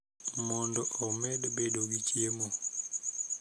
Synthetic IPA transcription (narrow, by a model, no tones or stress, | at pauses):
mɔndɔʔɔmɛdbedoɡit͡ʃjemo